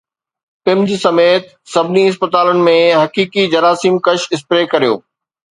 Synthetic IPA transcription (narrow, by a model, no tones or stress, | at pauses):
pɪmd͡ʑsɐmeːt̪ | sɐbʱɪniɪs̬pət̪aːlənɪ̆mẽɦɐkiːkid͡ʑɐɾaːsiːmkɐʃɪspɾeːkɐɾijo̰ː